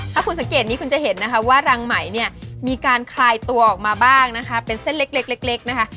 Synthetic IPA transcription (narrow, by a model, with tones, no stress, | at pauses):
tʰa˥˩kʰu˧nsa˩˦ŋkeː˨˩t̪̚niː˦˥kʰu˧nt͡ɕa˨˩ɦe˩˦nːa˦˥kʰa˦˥waː˥˩ɾa˧ŋma˩˦jni˥˩ɐmiː˧kaː˧nkʰlaː˧jt̪u˧ɐʔɔː˨˩k̚maː˧baː˥˩ŋna˦˥kʰa˦˥pe˧nse˥˩nle˦˥k̚le˦˥k̚le˦˥k̚le˦˥k̚na˦˥kʰa˦˥